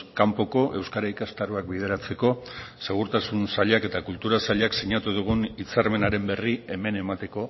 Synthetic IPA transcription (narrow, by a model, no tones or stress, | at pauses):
kampo̞ko̞ʔe̞wskaɾaikast̪aɾuak̚bið̞e̞ɾat͡se̞ko̞se̞ɣ̞uɾt̪asunsaʎake̞t̪akult̪uɾasaʎeaksiɲat̪uðuɣ̞unit͡saɾme̞naɾe̞mbe̞rie̞me̞ne̞mat̪e̞ko̞